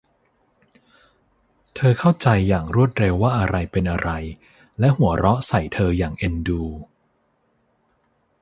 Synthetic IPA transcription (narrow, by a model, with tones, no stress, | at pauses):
t̪ʰɤː˧kʰa˥˩wt͡ɕa˧jːaː˨˩ŋɾu˥˩ət̪̚ɾe˧wːaː˥˩ʔa˧ɾa˧jpe˧nʔa˧ɾʔa˧j | lɛ˦˥ʔɦu˩˦ɐɾɔ˦˥sa˨˩jt̪ʰɤː˧jaː˨˩ŋʔe˧nduː˧